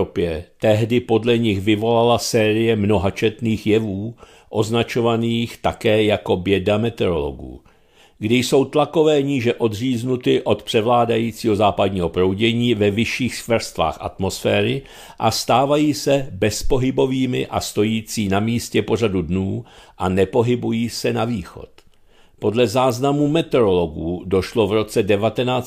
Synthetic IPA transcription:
opjɛt̪ɛɦdɪpo̞dlɛɲɪxvɪvo̞lalasɛːɾɪjɛmno̞ɦat͡ʃɛt̪niːxjɛvuː | ʔo̞znat͡ʃo̞vaniːxt̪akɛːjako̞bjɛdamɛt̪ɛɾo̞̰lo̞̰ɡṵː | ɡdɪjso̞wt̪lako̞vɛːɲiːʒɛʔo̞d̪r̝iːznut̪ɪʔo̞t̪pr̝̥ɛvlaːdajiːt͡siːɦo̞zaːpadɲiːɦo̞pɾo̞wɟɛɲiːvɛvɪʃiːxskvr̩st̪va̰ːxʔa̰t̪mo̞sfɛːɾɪ | ʔa̰st̪aːvajiːsɛbɛspo̞ɦɪbo̞viːmɪ̰ʔa̰st̪o̞jiːt͡siːnamiːscɛpo̞r̝adudnuːʔanɛpo̞ɦɪbujiːsɛnaviːxo̞̰t̪ | po̞dlɛzaːznamumɛt̪ɛɾo̞lo̞ɡuːdo̞ʃlo̞vɾo̞t͡sɛdɛvat̪ɛnaːt͡s

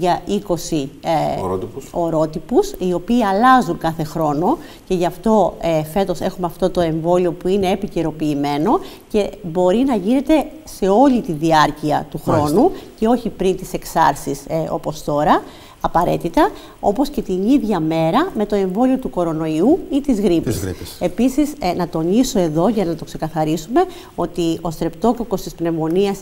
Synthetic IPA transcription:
ʝɐiko̞si | o̞ɾo̞t̪ipusio̞piːɐlɐzuŋkɐθe̞xɾo̞no̞ | ce̞ʝɐft̪o̞efe̞t̪o̞se̞xumeɐft̪o̞t̪o̞e̞ɱvo̞lio̞puine̞ːpiceɾo̞piːme̞no̞ | ce̞bo̞ɾinɐʝine̞t̪e̞ | se̞o̞lit̪iðiɐɾciɐ̰t̪uxɾo̞nuce̞o̞çipɾint̪ise̞ksɐ̰ɾsiso̞̰po̞st̪o̞ɾɐː | pɐɾe̞̰t̪it̪ɐ | o̞po̞sce̞t̪iniðʝɐme̞ɾɐme̞t̪o̞e̞ɱvo̞lio̞t̪uko̞ɾo̞no̞iuit̪izɣɾipisḭe̞pisiznɐt̪o̞niso̞e̞ðo̞ʝɐnɐt̪o̞kse̞kɐθɐɾisume̞ | o̞t̪io̞st̪ɾe̞pt̪o̞kloko̞st̪ispne̞vo̞niɐs

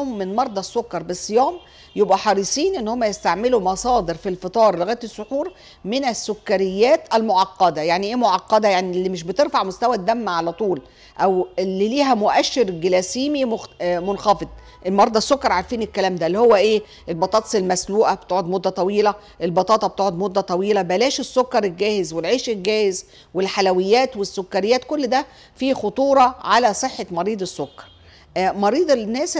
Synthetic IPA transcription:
mːenmɑɾˤd̪ˤɑsːokːɑɾˤbesˤːejɑːm | jebʔæħɑɾˤisˤiːnʔenːhomːæjest̪aʕmelumɑsˤɑːd̪eɾfilfɨt̪ˤɑːɾˤleɣæːt̪esːoħuːɾ | menæsːokːæɾɪjːæːt̪ʔælmoʕɑqːɑd̪æjaʕniʔeːmoʕɑqːɑd̪æjaʕnilːimɪʃbet̪eɾfaʕmost̪æwæd̪ːæmːæʕalæt̪ˤuːl | ʔæwelːiliːɦæmoʔæʃːeɾɡelæsiːmimmonxɑfed̪̚ˤ | ʔelmɑɾˤiːd̪ˤesːokːɑɾˤʕaɾfiːnekːælæːmd̪ælːihowːæʔeː | ʔelbɑt̪ˤɑːt̪selmæsluːʔæb̥t̪oːʕod̪mod̪ːæt̪ˤɑwiːlæ | ʔelbɑt̪ˤɑːt̪ˤɑb̚t̪oʕod̪mod̪ːæt̪ˤɑwiːlæbælæːʃesːokːɑɾˤelɡæːhezwelʕeːʃelɡæːhez | welħalæwejːæːt̪wesːokːɑɾɪjːæːt̪kolːd̪æ | fiːxot̪ˤuːɾˤɑʕalæsˤeħːemɑɾiːd̪ˤesːokːɑ̥ɾˤ | mɑɾiːd̪ˤenːæːs

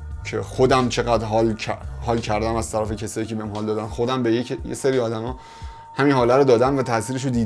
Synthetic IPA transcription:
cʰḛxod̪æmt͡ʃʰe̞ɣæd̪ɾɦɒlʰhɒːlcʰæɾd̪æmæz̥t̪ʰæɾæfe̞cʰesɒːjiːcʰebehæmɦɒːld̪ɒːd̪ænxod̪æmbejecjḛseɾiɒːd̪æmɒː | hæminɦɒːlæɾod̪ɒːd̪æmvæt̪ʰæʔsiːɾeʃ̬od̪iː

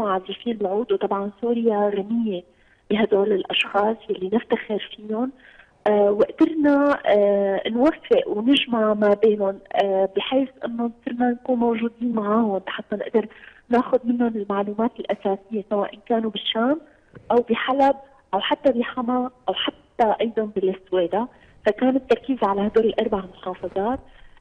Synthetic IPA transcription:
ʕazafiːlɪlʕuːd̪uwt̪ˤɑbʕɑnsuːɾɪjaɾanɪjːe | b̥ɪɦad̪oːlɪlʔɑʃxɑːsˤjalːinɪft̪axɪɾfiːʊnː | wɪʔd̪̥ɪɾna | nwafːɪʔwnɪʒmaʕmabeːnʊnbɪħeːsʔɪ̰nːonʔsɪɾnankuːnmowʒuːd̪iːnmaʕaːhʊnt̪ḁħat̪ˤːanɪʔd̪ɪɾ | naːxʊd̪̚mɪnːʊnɪlmaʕluːmaːt̪ɪlʔasaːsɪjːesawaːʔɪnkaːnubɪʃːaːm | ʔawbiħalab̚ | ʔawħat̪ːabiħamaʔawħat̪ːaʔɑjd̪ˤɑnbɪlɪsweːd̪a | fakaːnɪt̪ːɑɾˤkiːzʕalahad̪oːɾɪlʔɑɾˤbaʕmʊħɑːfɑzˤɑːt̪̚

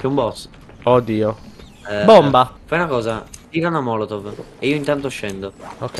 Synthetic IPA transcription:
kɛumbɔt̪s | od̪iːo | ɛbombafajunakɔːzat̪iːɾanamɔlot̪oveiːoint̪ant̪oʃːɛnd̪ook

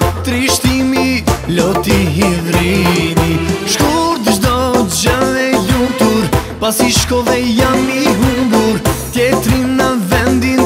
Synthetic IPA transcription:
t̪ɾiʃt̪imilot̪iɦivɾiniʃkuɾd̪əʒd̪od̪ʒɐvɛjut̪uɾpasiʃkovɛjamiɦuɡuɾt̪et̪ɾinɐvɛnd̪in

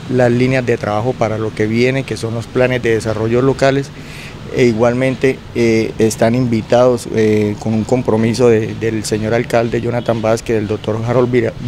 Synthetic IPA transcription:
laslinjazd̪e̞t̪ɾaβaxo̞paɾalo̞ke̞βje̞ne̞ke̞so̞nlo̞splane̞zd̪e̞ðesaro̞ʝo̞lo̞kale̞s | eiɣwalmẽ̞nt̪e̞ː | st̪animbit̪aðo̞sko̞nuŋko̞mpɾo̞miso̞ðed̪elseɲo̞ɾalkald̪e̞ʝonat̪ambaskeðeld̪ok̚t̪o̞ɾxaɾolb

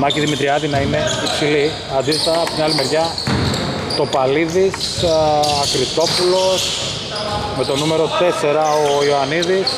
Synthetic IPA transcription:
mɐciðimit̪ɾiɐt̪inɐine̞ipsili | ɐnd̪ist̪et̪ɐɐpot̪inɐlime̞ɾʝɐ | t̪o̞pɐliðis | ɐkɾit̪o̞pulo̞s | me̞t̪o̞nume̞ɾo̞t̪e̞se̞ɾɐo̞ioɐniðis

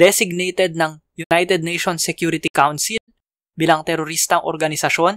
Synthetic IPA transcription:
d̪ɛsɪɡ̚nɛjt̪ɛd̪̚nɐŋ | jʊnajt̪ɛd̪̚nɛjʃonsɛkjuːɾɪt̪ikawnsɪl | biːlɐŋt̪ɛɾoɾist̪ɐŋʔoɾɡɐnɪsɐʃo̞n

